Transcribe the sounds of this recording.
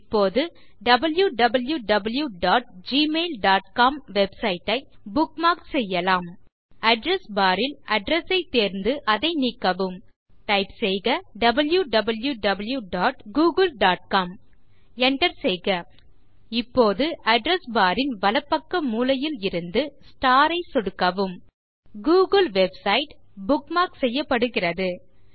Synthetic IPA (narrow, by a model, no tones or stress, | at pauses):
ɪpːoːðɯ | ɖɐbɐljuɖɐbɐljuɖɐbɐljuɖaːʈ̚d͡ʒiːmeːlɖaːʈ̚kaːmʋɛbsɐjɪʈːɐɪbʊkmaːksɛjːɐlaːm | ɐɖɾɐsbaːɾɪlɐɖɾɛsɐɪt̪eːɾnd̪ɯʔɐðɐɪnikːɐʋɯm | ʈɐɪpsɛjɣɐɖɐbɐljuɖɐbɐljuɖɐbɐljuɖaːʈɡuːɡɐlɖaːʈ̚kaːm | ɛɳʈɐɾsɛjɣɐ | ɪpːoːðɯʔɐɖɾɛsbaːɾɪnʋɐlɐpːɐkːɐmuːlɐjɪlɪɾɯnd̪ɯsʈaːɾɐɪsɔɽɯkːɐʋɯm | ɡuːɣɐlʋɛbsɐɪʈ | bʊkmaːksɛjːɐpːɐɽɯɣɪrɐðɯ